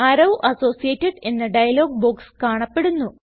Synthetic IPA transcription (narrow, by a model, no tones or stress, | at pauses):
aːɾɐwʔɐso̞ːsijeːtːɐɖe̞nːɨɖɐjɐlo̞ːɡ̚boːkskaːɳɐpːe̞ɽunːu